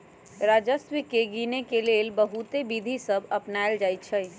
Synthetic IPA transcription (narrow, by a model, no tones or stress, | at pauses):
ɾad͡ʒəswəkeɡinekelelbəɦut̪ebid̪ʱisəbəpnaeld͡ʒaj̪t͡ʃʰəj